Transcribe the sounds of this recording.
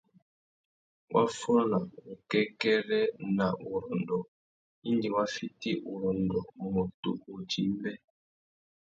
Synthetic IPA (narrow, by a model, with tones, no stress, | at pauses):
wʔa˦fɔ˦na˨u˨kɛ˦kɛ˦ɾɛ˦na˨ʔu˨ɾɔ˨n˨dɔ˨ | i˦ndi˨wa˦fi˦ti˦ʔu˨ɾɔ˨n˨dɔ˨mɔ˨tṵ˨u˨d͡ʒi˨˦m˦bɛ˦